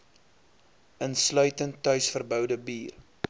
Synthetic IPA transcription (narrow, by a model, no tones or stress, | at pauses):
ənslœɥtəntːœɥsfərbœwdəbiːr